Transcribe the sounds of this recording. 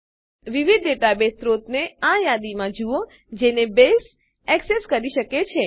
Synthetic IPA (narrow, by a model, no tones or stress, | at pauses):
ʋiʋid̪ːeʈabest̪ɾot̪neajad̪imãd͡ʒuo | d͡ʒenebes | ɛkseskəɾiʃəket͡ʃʰe